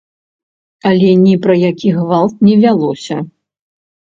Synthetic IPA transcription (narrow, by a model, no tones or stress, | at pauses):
ɐlʲɛnʲipɾɐjakʲiɣvalˠt̪̚nʲɛvʲalˠɔsʲɐ